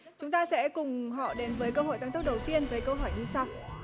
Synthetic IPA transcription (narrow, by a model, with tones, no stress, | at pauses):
t͡ɕʊ˨˦ŋ͡mt̪aː˧sɛ̰˧˥kʊ˨˩ŋ͡mɦɔ̰˧˨ɗe˨˦nvəː˨˦jkəː˧ɦo̰˧˨jt̪aː˨˧˩ŋt̪̚ɗə˨˩wt̪i˧ənvəː˨˦jkəː˧ɦɔ˧˩jɲɨ˧sa˧w